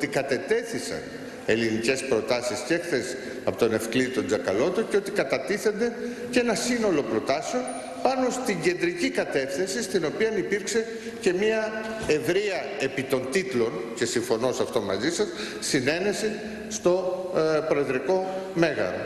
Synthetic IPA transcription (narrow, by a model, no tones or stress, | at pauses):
ot̪ikɐt̪e̞t̪e̞θisɐ̰n | e̞linice̞spɾo̞t̪ɐsiscekθesi̥ | ɐpot̪one̞fklit̪od͡zzɐkɐlo̞t̪oceo̞t̪ikɐt̪ɐt̪iθe̞nd̪e̞ | ce̞nɐsino̞lo̞pɾo̞t̪ɐse̞o̞n | pɐno̞st̪iɲɟe̞nd̪ɾicikɐt̪e̞θesist̪ino̞piɐnipiɾkse̞ | ce̞mɐ | e̞vɾiɐ | e̞pit̪o̞nt̪it̪lo̞nce̞siɱfo̞no̞sɐft̪o̞mɐ̰zisɐsː | ine̞ne̞si | st̪o̞pɾo̞eðɾiko̞me̞ɣɐ̰